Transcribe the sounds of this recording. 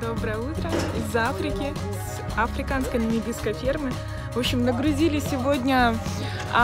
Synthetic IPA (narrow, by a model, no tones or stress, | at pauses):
d̪o̞bɾəjəut̪ɾəɪzafɾʲɪkʲɪ | s | ɐfɾʲɪkanskəjnʲɪmʲɪbʲiskəjfʲermɨ | vopɕːɪmnəɡɾʊzʲilʲɪsʲɪvodʲnʲə